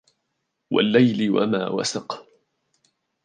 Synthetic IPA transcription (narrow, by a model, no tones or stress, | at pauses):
wa̰lːajlɪwa̰ma̰ːwa̰sɑq